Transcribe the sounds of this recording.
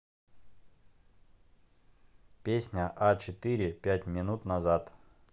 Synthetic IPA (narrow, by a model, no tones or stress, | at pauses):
pʲesʲnʲəʔat͡ɕɪt̪ɨɾʲɪpʲætʲmʲɪnut̪nɐzat̪